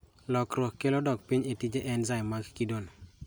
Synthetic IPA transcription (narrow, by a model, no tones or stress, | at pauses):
lɔkɾokːelodɔk̚piɲetid͡ʒeʔɛnzajmakkidono